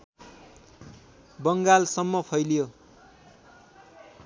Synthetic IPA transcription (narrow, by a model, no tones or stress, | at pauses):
bʌŋɡalsʌmːʌpʰʌjlijo